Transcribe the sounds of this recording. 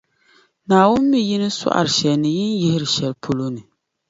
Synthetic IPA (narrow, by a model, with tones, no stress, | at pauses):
naː˨wʊ˦mːi˦ji˦nɨ˦sa̰˦ʔa̰˨ɾɨ˨ʃɛ˨lnɨ˨jɪ˦njɪ˦hɪ˦ɾɨ˨ʃɛ˨lpʰo˦lo˦nɨ˨